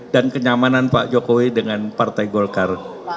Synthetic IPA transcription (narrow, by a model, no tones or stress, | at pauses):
dankəɲamananpa̰ʔd͡ʒokowidəŋanpart̪ajɡolkar